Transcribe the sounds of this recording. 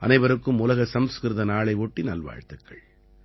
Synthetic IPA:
ʔɐ̰nɐɪʋɐɾɯkːɯmʊlɐɣɐsɐmskɪɾðɐnaːɭɐɪɔʈːinɐlʋa̰ːɻt̪ːɯkːɐ̰ɭ

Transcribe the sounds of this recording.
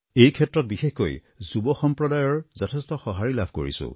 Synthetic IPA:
ejkʰɛtːɹɔt̚bixexko̰j | zubɔxɔmpɹɔdajɔɹzɔtʰɛstɔxɔɦaɹilabʱko̰ɹḭsʊ̰̃

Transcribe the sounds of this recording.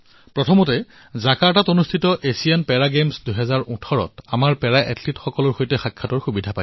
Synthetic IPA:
pɹɔtʰɔmɔtɛ | zakaɹtatonustʰitɔʔesianpɛɹaɡemsduɦɛzaɹũtʰɔɹɔ̰tamaɹpɛɹaʔɛ̰tʰlitxɔkɔlɔɹxojtɛxakʰːatɔɹxubidʱapa

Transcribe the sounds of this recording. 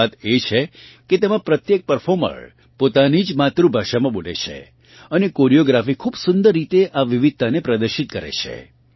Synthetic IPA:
at̪et͡ʃʰeket̪emãpɾət̪jek̚pəɾfʰoɾmə̰ɾ | pot̪anid͡ʒmat̪ɾũbʱaʃamãɓolḛt͡ʃʰḛ | ənekoɾijoɡɾafikʰubsʊnd̪əɾːit̪eʔaʋiʋid̪̚t̪ːanepɾəd̪əɾʃit̪kəɾḛt͡ʃʰḛ

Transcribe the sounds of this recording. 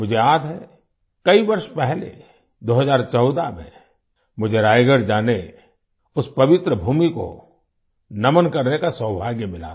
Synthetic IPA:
mʊd͡ʒʱeaːd̪ɦɛ | kɐibɐɾʃpɛɦlḛ | d̪oːɦəzaːɾt͡ʃɔʊd̪amḛ̃ | mʊd͡ʒʱeɾaːjɡəɾd͡ʒaːne | ʊspɐʋɪt̪ɾəbʱuːmiko̰ | nɐmənkɐɾnekasəːbʱaːɡjəmɪla̰

